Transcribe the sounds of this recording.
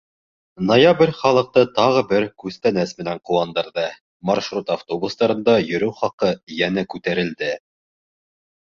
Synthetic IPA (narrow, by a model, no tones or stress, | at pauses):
nojabrʲχɑlˠɤ̆q̚t̪ɤt̪ɑʁɤbɘɾkʉst̪ænæsmɘ̆næɴquwɑnd̪ɤ̆ɾðɤ | mɑrʃrut̪aft̪obust̪ɑɾɤ̆nd̪ɑjɵ̆ɾɘwχɑqɤjænækʉt̪æɾɘ̆ld̪ɘ